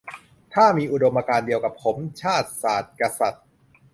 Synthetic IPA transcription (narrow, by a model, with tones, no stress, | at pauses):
t̪ʰaː˥˩miː˧ʔu˨˩do˧mʔaː˧kaː˧ndi˧əwka˨˩p̚pʰo˩˦mt͡ɕʰaː˥˩t̪̚saː˨˩t̪̚ka˧sa˨˩t̪̚